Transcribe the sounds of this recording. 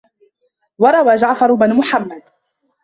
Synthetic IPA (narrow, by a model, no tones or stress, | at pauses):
wɑɾˤɑwaːd͡ʒaʕfɑɾˤʊbɪnmʊħamːad̪